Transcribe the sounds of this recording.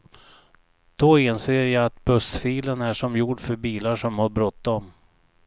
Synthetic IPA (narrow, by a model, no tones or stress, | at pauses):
d̪̥ɔɪnseːɾjaat̪bɵsfiːlənæʂɔmjuɖfœɾbiːlaʂɔmhaɾbɾɔt̪ːdɔm